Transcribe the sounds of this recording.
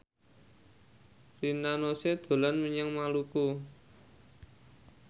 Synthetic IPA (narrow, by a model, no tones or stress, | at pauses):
rinanosed̪̥o̤lanməɲəŋmaluku